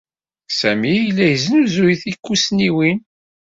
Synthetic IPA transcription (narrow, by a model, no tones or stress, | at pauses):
sæmijəlːæjəznuzujθikːusniwin